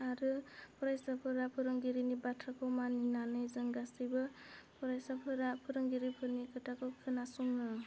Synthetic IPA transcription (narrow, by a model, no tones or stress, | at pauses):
aɾɯpʰɔɾajsapʰɯɾapʰɯɾɯŋɡiɾinibatʰɾakʰɔwmaninanɯjzɯŋɡasɯjbɯpʰɔɾajsapʰɯɾapʰɯɾɯŋɡiɾipʰɯɾnikʰɯtʰakʰɯwkʰɯnasuŋnɯ